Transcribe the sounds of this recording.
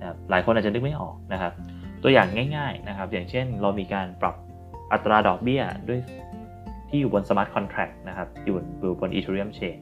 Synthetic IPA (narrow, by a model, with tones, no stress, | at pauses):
p̚laː˩˦jkʰo˧nʔa˨˩t͡ɕa˩nɯ˦˥k̚ma˥˩jʔɔ̰ː˨˩k̚na˦˥kʰa˦˥p̚ | t̪u˧jaː˨˩ŋːaː˥˩jŋaː˥˩jna˦˥kʰa˦˥p̚jaː˨˩ŋt͡ɕʰe˥˩nɾa˧wmiː˧kaː˧npɾa˨˩p̚ | ʔa˨˩t̪ːɾaː˧dɔː˨˩k̚bi˥˩ɐdu˥˩əj | t̪ʰiː˥˩juː˨˩bo˧nsa˧maː˦˥t̪̚kʰɔ˧nt̪ʰɾɛ˨˩k̚na˦˥kʰa˦˥p̚juː˨˩duː˨˩bo˧nʔḭ˧t̪ʰu˧ɾi˦˥ə˨mt͡ɕʰeː˧˩